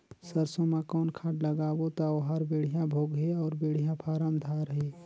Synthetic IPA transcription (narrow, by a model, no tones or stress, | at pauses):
səɾsõmãkɔːnkʰaːʈləɡaːwot̪aoɦaɾbeːɽ̤ijãbʱoːɡɦeɔːɾbeːɽ̤ijãpʰaːɾəmd̪ʱaɾɦeː